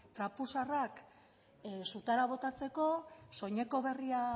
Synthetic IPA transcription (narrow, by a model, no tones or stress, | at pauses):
t̪ɾapusarak | sut̪aɾaβ̞o̞t̪at͡se̞ko̞so̞ɲe̞ko̞βe̞ria